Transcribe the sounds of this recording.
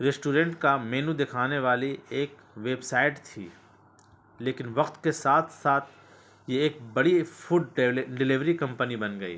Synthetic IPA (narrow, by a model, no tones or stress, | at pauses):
ɾɪsʈuːɾɛ̃ɳʈkameːnũd̪ɪkʰaːneʋaːlieːk | ʋeːbsaːɪʈt̪ʰḭː | leːkɪnʋɐqt̪kesaːt̪ʰsaːt̪ʰ | jeːk̚bɐɽifʰʊɖɖɪlɪʋɾikɐ̃mpənibɐnɡɐḭː